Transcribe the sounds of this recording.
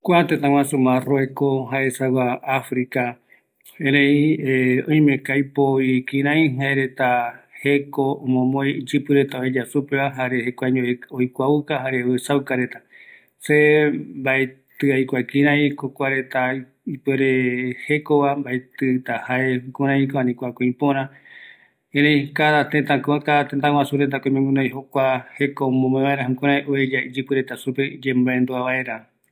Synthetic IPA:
kʷat̪et̪ãwãsumãroekoɦaesawaafɾika | ẽɾẽieõj̃mẽkajpoikĩɾ̃ãj̃ɦaeɾe̞t̪ahekoõmõmõjd͡ʒɨpɨɾe̞t̪aoed͡ʒasupeβaɦaɾehekʷaɲõojkʷaukaɦaɾeɨsawkaɾe̞t̪a | sembaet̪ɨajkʷakĩɾãĩkokʷaɾe̞t̪a | ipeɾehe̞koβambaet̪ɨt̪ahaekõɾ̃ãĩkoanĩkʷakõĩpõɾ̃ã | ẽɾẽj̃kaðat̪ẽt̪ãkt̪at̪ẽnt̪ãwasuɾent̪̬akomẽŋɡuɾãj̃ɦokʷahe̞komõmẽβaeɾaɦãkõɾ̃ãjʔoed͡ʒaid͡ʒɨkɨɾe̞t̪asupe̞d͡ʒẽmbaend̪oaβae̞ɾa

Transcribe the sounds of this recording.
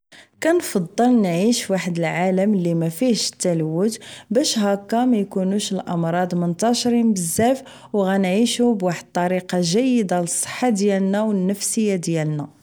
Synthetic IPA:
kænfɑd̪ˤːəlnʕiʃwaħəd̪əlʕaləmlːimæfiʃə̥t̪ːælwət̪bæʃɦækːæmæjkunuʃəlʔɑmɾˤɑd̪mənt̪ɑʃɾinbəzːæf | wɣænʕiʃubwaħəd̪̚t̪ˤːɑɾiqɑʒæjːəd̪aləsˤːə̥ħːad̪jælnæwənːəfsəjːad̪jælnæ

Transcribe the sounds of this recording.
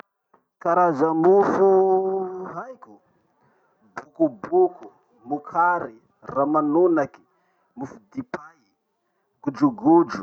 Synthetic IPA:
kaɾazəmufu | ajkʲu | bukubuku | mukʰaɾi | ramanunaki̥ | mufud̪ipai | ɡ̥ud͡ʒuɡud͡ʒu

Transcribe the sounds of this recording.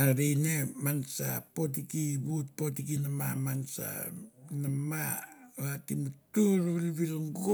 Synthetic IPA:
aɾijnemansapo̞t̬ikiβut̚po̞tikinamamansa̰namaatimatuɾβilβilaŋɡo

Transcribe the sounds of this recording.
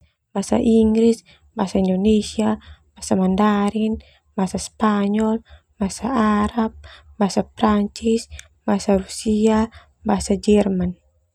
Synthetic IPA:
basa̰ʔiŋɡɾis | basaindonesiab̥asamandaɾin | basaspaɲɔl | basaaɾap̚basapɾaɲt͡ʃis | basarusia | basad͡ʒɛrman

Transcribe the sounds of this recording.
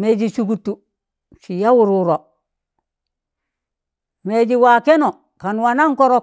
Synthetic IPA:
meɟisuɡutːu | sijawuɾuɾo | meːɟiwakeno | kanwanaŋkoɾo

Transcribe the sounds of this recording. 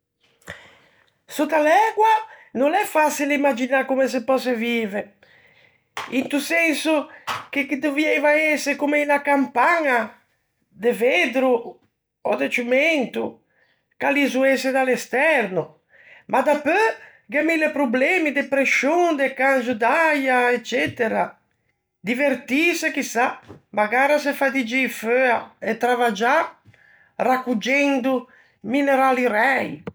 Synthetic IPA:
sut̪alɛɡwanõnɛfasilimad͡ʒinakumes̬epɔsevive | int̪usɛnsukekid̪uviɛjvaesekumeinakampaɲa | d̪eved̪ɾu | ɔd̪et͡ʃumɛnt̪u | kalizuesed̪alɛst̪ɛɾnu | mʔad̪apø | ɡamilepɾublɛmid̪epɾeʃoŋd̪ekanzud̪ajaɛt͡ʃːɛt̪eɾa | d̪iveɾt̪isekisamaɡaɾasefad̪id͡ʒiføaet̪ɾavad͡ʒa | rakud͡ʒɛnd̪u | mineɾaliɾɛj

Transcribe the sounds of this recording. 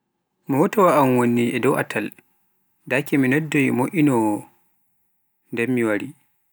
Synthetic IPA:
mɔwɔtawaʔamwonːiʔɛdɔwʔa̰tʰal | dakɛminɛdːɔjmoʔʲinɔ | ndɛmːiwaɾi

